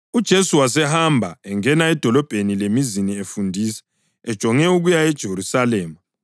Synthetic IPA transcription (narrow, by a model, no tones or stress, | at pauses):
ud̥ʒ̥ʱesuwasɛhambʱaɛŋɛnaɛd̥ʱɔlɔb̥ʱenilemiziniefundʱiːsɛ̥ | ɛd̥ʒ̥ʱɔŋɛuɣujaɛd̥ʒ̥ʱeɾusalɛːmu